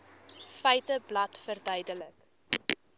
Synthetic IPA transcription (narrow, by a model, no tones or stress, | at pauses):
fɛjtəblɐtfərdœjdələk